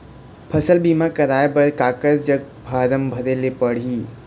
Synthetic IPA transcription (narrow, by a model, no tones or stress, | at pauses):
pʰəsəlbimakəɾaːebəɾkaːkəɾd͡ʒəɡ̚ | bʱaɾəmbʱəɾelepəɽ̤iː